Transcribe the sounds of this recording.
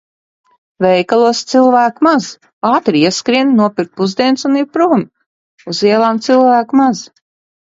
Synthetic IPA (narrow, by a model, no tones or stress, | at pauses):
vɛjkalˠuɔst̪silˠvæːkmaz | aːt̪ɾiiɛskɾinnuɔpiɾk̪̚puzd̪iɛnsuniɾpɾum | uziɛlˠaːmt̪silˠvæːkmaz̥